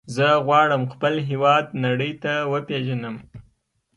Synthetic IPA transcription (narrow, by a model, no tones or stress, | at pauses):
zəɣwɑɽəmxpəlɦewɑd̪naɽəjt̪awəpeʒanəm